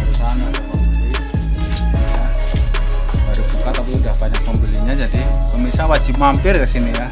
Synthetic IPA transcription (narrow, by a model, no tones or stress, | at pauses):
əɾusaɦanat̪akam | ja | baɾubukat̪apiudahbaɲak̚pəmbiliɲad͡ʒadikəmisawad͡ʒimampɪrkasinija